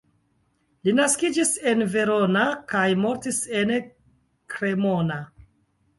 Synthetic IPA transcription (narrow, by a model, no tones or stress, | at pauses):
linaskid͡ʒise̞nve̞ɾo̞nakajmo̞ɾtise̞n | kɾe̞mo̞na